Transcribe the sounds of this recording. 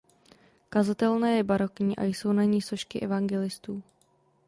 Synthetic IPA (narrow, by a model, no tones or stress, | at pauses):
kazat̪ɛlnɛːjɛbaɾo̞kɲiːʔa̰jso̞wnaɲiːso̞ʃkɪʔɛvaŋɡɛlɪst̪uː